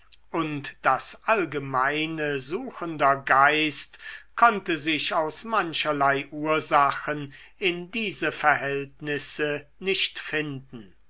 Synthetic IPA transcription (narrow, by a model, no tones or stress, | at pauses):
ʔʊntd̥asʔalɡəmaɪnəzuːxəndɐɡaɪstkʰɔntəzɪʃaʊsmanʃɐlaɪʔuːɐzaxən | ɪndiːzəfɛɐɦɛltnɪsənɪʃtfɪndn̩